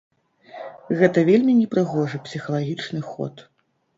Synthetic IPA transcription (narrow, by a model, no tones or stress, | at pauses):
ɣɛt̪ɐvʲelʲmʲinʲɛpɾɨɣɔʐɨpsʲixɐlˠaɣʲit͡ʂnɨxɔ̰t̪